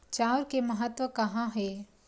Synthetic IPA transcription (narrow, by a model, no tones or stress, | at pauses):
t͡ʃaːʊɾkemɐɦət̪ʋəkɐɦãɦɛː